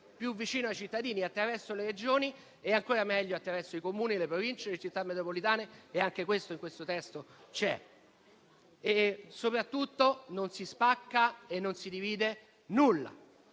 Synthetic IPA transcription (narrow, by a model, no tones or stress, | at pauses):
pjuvːit͡ʃiːnoajt͡ʃit̪ːad̪iːniat̪ːɾavɛrsoleɾed͡ʒoːni | eaŋkoːɾamɛʎːoat̪ːɾavɛrsoikomuːnilepɾovint͡ʃelet͡ʃit̪ːamːet̪ɾopolit̪aːneːaŋkekwest̪oiŋkwest̪ot̪ɛst̪ot͡ʃɛ̰ | esopɾat̪ːut̪ːononsispakːaenːonsid̪iviːd̪e | nulːa̰